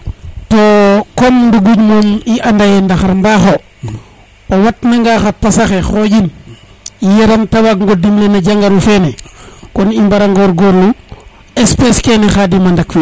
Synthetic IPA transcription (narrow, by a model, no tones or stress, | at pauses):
tokomnduɡuɟmomiʔandajendaxaɾmbaːxo | owatnaŋɡaːxapasaxexoɟin | ijeɾantawaɡ̚ŋɡodimlenaɟaŋɡaɾufenekɔnimbaɾaŋɡoːɾɡoɾlu | espeskɛnɛxadimandakfi